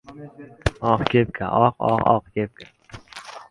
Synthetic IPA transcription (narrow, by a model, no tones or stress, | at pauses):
ɒqkʲʰep̚kʲʰa̰ʔɒqɒ̰qɒ̰qkʲʰep̚kʰʲa